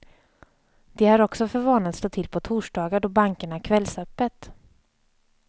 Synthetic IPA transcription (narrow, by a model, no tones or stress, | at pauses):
d̪̥ɛhaɾɔksɔfœɾvɑːnat̪st̪ɑːt̪ʰɪlpʰɔt̪ʰuːʂɖɑːɡaɖɔbaŋkəɳakʰvɛlːsœpːət̪